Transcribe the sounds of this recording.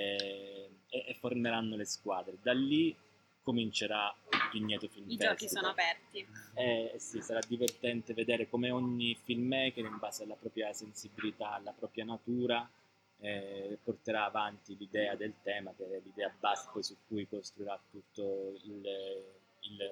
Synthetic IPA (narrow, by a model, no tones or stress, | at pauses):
ɛ | ɛʔːfːorneɾanːoleskwaːd̪ɾed̪alːi | komint͡ʃeɾapiɲːɛːt̪ofilmfd͡ʒɔkisoːnoapɛrt̪iɛsːisaɾad̪ːivert̪ɛnt̪eved̪ɛːɾekomeoɲːifilmɛkeimbaːzealːapɾɔːpɾjasensibilit̪alapɾɔːpɾjanat̪uːɾa | ɛport̪eɾaːvant̪ilid̪ɛːad̪elt̪ɛːmakelid̪ɛːabaskesukːujkost̪ɾuiɾat̪ːut̪ːoil | il